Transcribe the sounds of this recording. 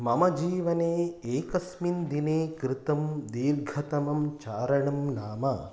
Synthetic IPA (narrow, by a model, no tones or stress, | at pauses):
mɐmɐd͡ʒiːʋɐneːeːkɐsmind̪ineːkɾɪt̪ɐmd̪iːɾɡʱɐt̪ɐmɐmt͡ʃaːɾɐɳɐmnaːmɐ